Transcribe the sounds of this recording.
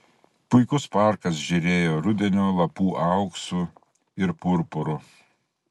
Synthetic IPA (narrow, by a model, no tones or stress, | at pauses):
pʊɪkʊspɑˑɾkɐs̬ʒʲɪɾʲeːjoːɾʊd̪ʲɛnʲolˠɐpuːʔɑʊksʊ | ɪɾpʊɾpʊɾʊ